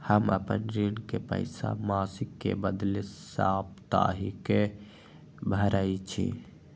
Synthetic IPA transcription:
həməpə̰nɾinkepə̰ɪsa̰maːsɪkːḛbəd̪lesaːpt̪a̰ɦike | bʱəɾait͡ʃʰḭ

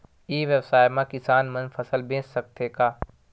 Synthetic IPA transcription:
iːʋjewsaːjmãkɪsaːnmənfʰəsəlbẽːssɐk̚t̪ekaː

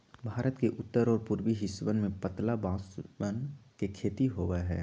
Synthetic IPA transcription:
bʱaːɾət̪keʔʊt̪ːəɾɔːɾpʊɾwiɦɪsʋənmẽpət̪labãːsənkekʰeːt̪iɦoːʋaɦɛ̰ː

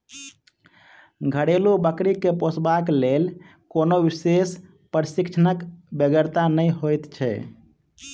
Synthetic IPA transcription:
ɡʱəɽelubəkɾikeposʰbaklel | konoʋises | pəɾsikt͡ʃʰənəkbeɡəɾt̪anəjɦojt̪t͡ʃʰɛ̰

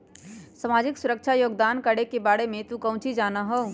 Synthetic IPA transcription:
səmaːd͡ʒɪksʊɾəkt͡ʃʰajoːɡd̪aːnkəɽekebaːɽemẽt̪ukə̃ʊ̃t͡ʃʰid͡ʒaːnaɦoː

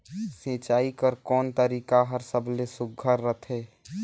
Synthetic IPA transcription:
sẽːt͡ʃaːikəɾkɔːnt̪əɾiːkaɦəɾsəbʱlesʊɡʱəɾːət̪ʰeː

